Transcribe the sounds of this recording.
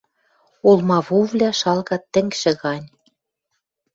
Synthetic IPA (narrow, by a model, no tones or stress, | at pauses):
olmɑβuvlʲæʃɑlɣɑt̪ːɘ̆ŋɡʃɘ̆ɣɑnʲ